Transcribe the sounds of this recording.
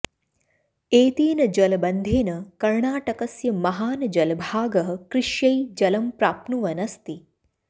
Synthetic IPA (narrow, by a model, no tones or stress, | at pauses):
eːt̪iːnɐd͡ʒɐlbɐnd̪ʱeːnɐkɐɾɳaːʈɐkɐsjɐmɐɦaːnɐd͡ʒɐlbʱaːɡɐɦɐ̆kɾɪʃjɐjd͡ʒɐlɐmpɾaːpnuʋɐnɐst̪i